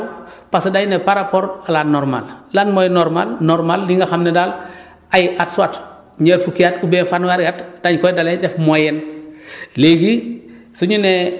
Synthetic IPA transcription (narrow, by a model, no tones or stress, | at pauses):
lpasdajnepaɾapoɾalanːɔɾma̰llaːnmojɛnːɔɾma̰lnɔɾmalːiŋɡaxamnedal | ajʔatsuat | ɲeɾfukijatubenfanwaɾɡatdaɲkɔjdaledɛfmojɛn | leɡi | suɲune